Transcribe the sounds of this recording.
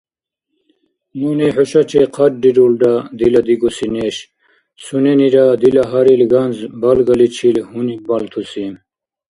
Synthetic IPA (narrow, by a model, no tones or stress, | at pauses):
muneħoɕɐt͡ɕʰeqʰɐʈ̚ɖiɾulɖad̪ilɐd̪iɡusineɕ | suneniɾad̪ilɐɦɐɾilɡɐnzbɐlɡɐlit͡ɕʰilhunibɐlt̪ʰusim